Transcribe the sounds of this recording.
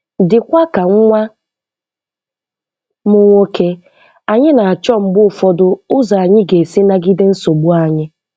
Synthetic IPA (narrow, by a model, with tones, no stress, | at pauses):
dɪ˨kʷa˦ka˨ŋ̩˦ŋʷa˦ | mʊ˦ŋʷo˦kʰe˦ | a˨ɲɪ˦na˨a˨t͡ʃɔ˦m̩˦bʊ˦˨fɔ˦dʊ˦ʊ˦za˨a˨ɲɪ˦ɡe˨si˦na˦ɡɪ˦de˦n̩˦so˨ɡ͡bu˦a˨ɲɪ˦